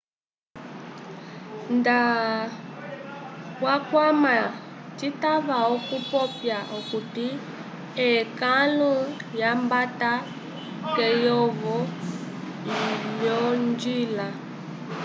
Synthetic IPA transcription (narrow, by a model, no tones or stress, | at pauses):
nda | wakwamat͡ʃitaβaɔkupɔpjaʔɔkuti | ɛkalujambata | kɛjɔβɔ | jɔnd͡ʒila